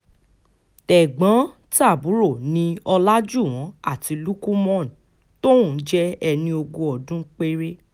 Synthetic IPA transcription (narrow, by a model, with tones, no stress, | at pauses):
tɛ˨ɡ͡bã˨˦ | ta˦˨bu˨˦ɾo˦˨nĩ˧ɔ˧la˦d͡ʒu˦˨w̃ɔ̃˨˦a̰˦˨ti˨˧lu˦ku˦mɔ̃˦˨ñ˨ | to˦wũ˦˨˦d͡ʒɛ˦ɛ˧nĩ˧o˧ɡõ˧ɔ˨dũ˦k͡pe˦ɾe˦